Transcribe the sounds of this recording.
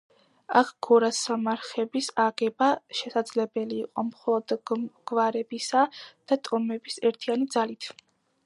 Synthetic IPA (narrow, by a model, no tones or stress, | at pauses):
akʰɡ̥ɔɾasamaɾχɛbisaɡɛbaʃɛsad̪z̥lɛbɛliːqʼɔmχɔlˠɔd̪ɡ̥vaɾɛbisad̪̥at̪ʼɔmɛbisɛɾt̪ʰianid̪zalit̪ʰ